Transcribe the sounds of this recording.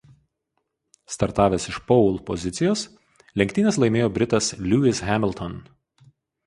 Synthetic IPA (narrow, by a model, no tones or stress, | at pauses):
st̪ɐɾt̪ɑːʋʲeːsɪʃpɔʊlˠpɔzʲɪt̪sʲɪjoːs | lʲɛŋʲkt̪ʲɪnʲɛslˠɐɪmʲeːjoːbʲɾʲɪt̪ɐslʲuɪsɦʲæmʲɪlʲˠt̪ʰɔn